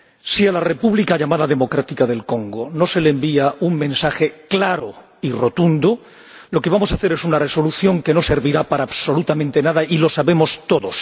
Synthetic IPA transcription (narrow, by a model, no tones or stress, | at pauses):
sialare̞puβlikaʎamaðaðe̞mo̞kɾat̪ikaðe̞lko̞ŋɡono̞se̞leːmbiauŋmẽ̞nsaxe̞klaɾo | iro̞t̪und̪o | lo̞ke̞βamo̞saθe̞ɾe̞sunare̞so̞luθjo̞ŋke̞no̞se̞ɾβiɾapaɾaːβso̞lut̪amẽnt̪e̞naðailo̞saβe̞mo̞st̪o̞ðos